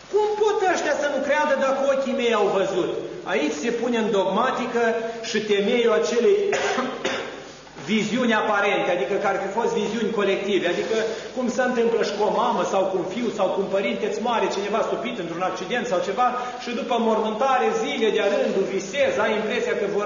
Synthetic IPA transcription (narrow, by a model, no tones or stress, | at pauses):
kumpot̪aʃt̪ʲjasənukɾead̪əd̪akəo̞kʲime̞jawvəzut̪a̰it͡ʃʲse̞puneɨnd̪o̞ɡmat̪ikəʃit̪e̞mejoat͡ʃe̞lej | viziunʲapaɾe̞nt̪ead̪ikəkaɾfifo̞st̪viziunʲko̞le̞k̚t̪ive̞ad̪ikəkumsəɨnt̪ɨmpləʃi̥komaməsawkunfiwsawkumpəɾint̪et̪sʲmaɾet͡ʃine̞vast̪upit̪ɨnt̪ɾunak̚t͡ʃid̪e̞nt̪sawt͡ʃe̞va | ʃid̪upəmormɨnt̪aɾeziled̪eaɾɨnd̪uvisezajimpɾe̞siakəvor